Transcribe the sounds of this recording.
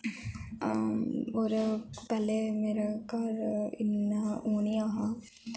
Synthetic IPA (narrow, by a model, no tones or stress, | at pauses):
oɾpɛːlemeːɾakaɾɪ̰nːaoːniaɦa